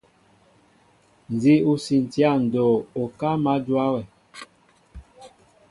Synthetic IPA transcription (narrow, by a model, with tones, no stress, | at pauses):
n˨zi˦u˦si˨n˨ti˦a˦˨n̩˨dɔ˨ɔ˨ka˦ma˦dwa˦wɛ˨